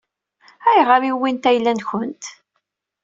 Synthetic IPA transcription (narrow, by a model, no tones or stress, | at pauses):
æjʁəɾiwint̪æjlːænçʊnt̪